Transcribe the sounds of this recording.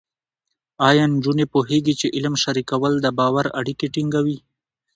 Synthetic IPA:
ɑjɑnd͡ʒunepoɦeɡit͡ʃeʔɪlmʃaɾikawəld̪əbɑwaɾa̰ɽikeʈiŋɡawi

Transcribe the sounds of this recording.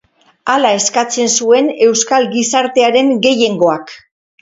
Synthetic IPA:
alae̞skat͡se̞nsue̞ne̞wskalɡisaɾt̪e̞aɾe̞ŋɡe̞je̞ŋɡo̞ak

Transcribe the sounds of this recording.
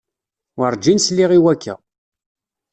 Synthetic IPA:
wəɾˤd͡ʒinsliʁiwækʰːæ̰

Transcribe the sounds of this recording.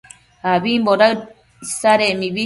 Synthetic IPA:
haβimboɾa | saɾemiβi

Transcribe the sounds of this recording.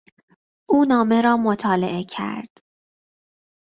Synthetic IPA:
ʔuːnɒːme̞ɾɒːmot̪ʰɒːleʔe̞cʰæ̰ɾd̪̥

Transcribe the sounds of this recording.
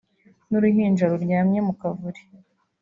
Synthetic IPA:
nuɾuhiːnd͡ʒaɾuɾjaːmɲe̞mukavuɾi̥

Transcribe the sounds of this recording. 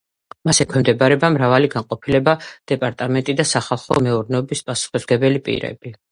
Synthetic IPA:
masɛkʰwɛmd̪ɛbaɾɛbamɾavaliɡanqʼɔpʰilɛbad̪̥ɛpʼaɾt̪ʼamɛnt̪ʼid̪asaχalˠχɔ̰mɛuɾnɛɔbispʼasu̥χisɡɛbɛlipʼḭɾɛ̰b̥i

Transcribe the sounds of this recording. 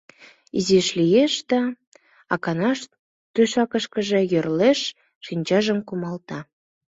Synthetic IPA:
iziʃlijeʃd̪ɑ | ɑkɑnɑʃ | t̪yʃɑkəʃkəʒe̽jørleʃː | inʲt͡ɕɑʒəmkumɑlt̪ɑ

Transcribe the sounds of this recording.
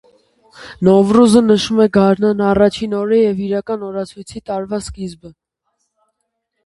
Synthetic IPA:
nɔvɾuzənəʃumɛɡɑɾnɑnɑrɑt͡ʃʰinɔɾəjɛviɾɑkɑnɔɾɑt͡sʰujt͡sʰit̪ɑɾvɑskizbə

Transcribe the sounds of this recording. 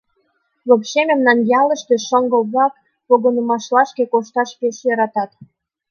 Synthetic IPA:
βokɕemĕmnɑnjɑlə̆ʃt̪eʃoŋɡə̆lβɑk | poɣonəmɑʃlɑʃkekoʃt̪ɑʃpeʃjɑɾɑt̪ɑt̪

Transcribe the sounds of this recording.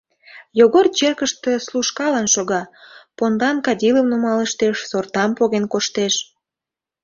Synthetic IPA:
joɣort͡ɕerkəʃt̪esluʃkɑlənʃoɣɑpond̪ɑnkɑdʲiləmnumɑləʃt̪eʃsort̪ɑmpoɣenkoʃt̪eʃ

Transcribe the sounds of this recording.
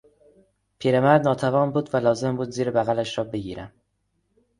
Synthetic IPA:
pʰiːɾemæɾd̪nɒːt̪ʰævɒːnbuːd̪vælɒːze̞mbuːd̪ziːɾebæɣælæʃɾɒːbe̞ɡiːɾæm

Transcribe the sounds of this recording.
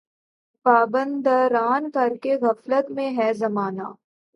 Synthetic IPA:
paːbə̃nd̪aɾaːnkɐɾkeɣɐflət̪mẽɦɛzɐmaːnaː

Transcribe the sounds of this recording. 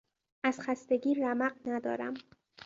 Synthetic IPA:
ʔæz̥xæst̪eɟiːɾæmæɢnæd̪ɒ̰ːɾæ̰m

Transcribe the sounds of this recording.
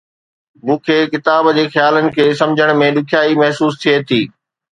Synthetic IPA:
mũːkʰeːkɪt̪aːbd͡ʑeːxjaːlənɪ̆kʰeːsɐ̃md͡ʑʱəɽ̃mẽɗʊkʰijaːimɐɦsuːst̪ʰiet̪ʰiː

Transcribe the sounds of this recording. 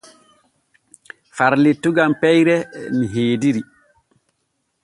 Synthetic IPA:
faɾlitːuɡampɛjɾɛmiɦeːdiɾi

